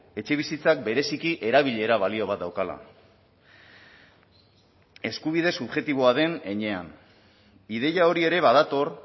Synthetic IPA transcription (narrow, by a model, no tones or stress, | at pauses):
e̞t͡ʃe̞β̞isit͡sak̚be̞ɾe̞sikiʔe̞ɾaβ̞iʎe̞ɾaβalio̞β̞at̪̚d̪awkala̰ | e̞skuβ̞iðe̞suβʝe̞t̪iβ̞o̞aðe̞neɲe̞an | iðe̞jao̞ɾie̞ɾe̞βaðat̪o̞r